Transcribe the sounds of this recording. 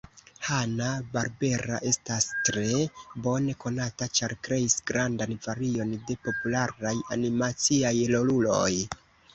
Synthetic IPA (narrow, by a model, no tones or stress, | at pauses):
hanabaɾbe̞ɾa̰ʔe̞stastɾe̞bo̞ne̞ko̞natat͡ʃaɾkɾe̞isɡɾandanvaɾio̞nde̞po̞pulaɾajanimat͡siajlo̞lulo̞̰j